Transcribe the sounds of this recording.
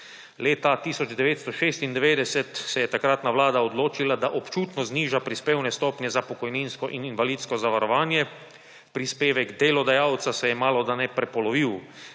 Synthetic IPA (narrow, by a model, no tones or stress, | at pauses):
leːt̪at̪isɔd͡ʒd̪ɛʋeːt̪st̪ɔʃeːst̪ind̪ɛʋeːd̪ɛsɛt̪sɛjɛt̪akɾat̪naʋlaːd̪aɔd̪loːt͡ʃilad̪aʔɔpt͡ʃuːt̪nɔzniːʒapɾispeːwnɛst̪ɔːpnjɛzapɔkɔjninskɔʔininʋaliːt̪skɔzaʋaɾɔʋaːnjɛ | pɾispeːʋɛɡd̪eːlɔd̪ajawt̪sasɛjɛmaːlɔd̪anɛpɾɛpɔlɔʋiw